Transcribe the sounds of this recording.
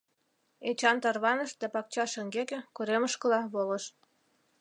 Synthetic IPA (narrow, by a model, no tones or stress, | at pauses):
et͡ɕɑnt̪ɑrβɑnə̆ʃd̪æpɑk̚t͡ɕɑʃə̆ŋɡekĕkuɾeməʃkə̆lɑβolə̆ʃ